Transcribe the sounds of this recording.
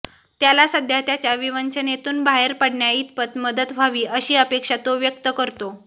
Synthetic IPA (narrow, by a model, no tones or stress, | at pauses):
t̪jalasəd̪ʱjat̪jat͡ɕjaʋiʋənt͡ɕənet̪uːnbʱaɦeɾpəɽɳjait̪̚pət̪məd̪ət̪ʋʱaʋiːʔəɕiːəpekʂat̪oʋjək̚t̪əkəɾt̪o